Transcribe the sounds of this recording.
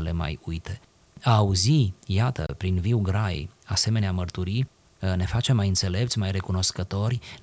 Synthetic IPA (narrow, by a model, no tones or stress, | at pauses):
əle̞ma̰jujt̪e̞ | aːuzijat̪ə̰pɾinviwɡɾajase̞me̞neamərt̪uɾi | ne̞fat͡ʃe̞mːajɨnt̪se̞le̞p̚t̪sʲmajre̞kuno̞skət̪o̞rʲ